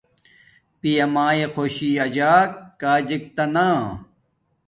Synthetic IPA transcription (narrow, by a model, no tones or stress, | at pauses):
pijɐmaːexʰoːɕiːɐd͡ʑaːkːaːd͡ʑik̚t̪ɐnaː